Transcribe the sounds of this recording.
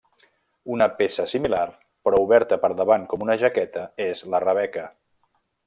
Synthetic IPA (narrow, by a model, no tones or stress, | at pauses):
unəpesəsimilar | pɾɔuβɛɾt̪əpəɾðəβaŋkɔmunəʒəkɛt̪əezlərəβ̞ɛkə